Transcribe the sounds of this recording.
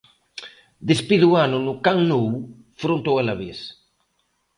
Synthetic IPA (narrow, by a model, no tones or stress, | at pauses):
d̪espiðuanunukaŋnow | fɾunt̪owelaβis